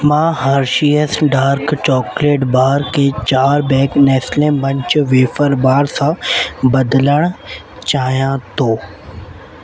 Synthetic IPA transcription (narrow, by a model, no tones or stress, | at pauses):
mãːɦaːɾʃiəsɖaːɾkt͡ɕɔːkleːʈbaːɾket͡ɕaːɾbɛ̃ːknɛːslẽmbɐ̃ɲt͡ʃʋeːfəɾbaːɾsãbɐd̪ləɽ̃ | t͡ɕaːijãt̪oː